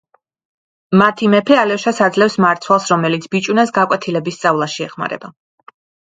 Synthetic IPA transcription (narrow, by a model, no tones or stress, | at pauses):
mat̪ʰimɛpʰɛalɛʃasad̪zlɛfsmaɾt̪sʰwalˠsɾɔmɛlit̪sʰb̥it͡ʃʼunasɡakʼwɛt̪ʰilɛbist̪sʼavlˠaʃiɛχma̰ɾɛ̰ba